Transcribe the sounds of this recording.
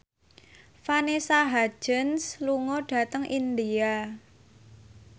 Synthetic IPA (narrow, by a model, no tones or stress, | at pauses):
fanesaɦḁd͡ʒ̥ənsluŋɔɖ̥ä̤t̪əŋʔind̪ia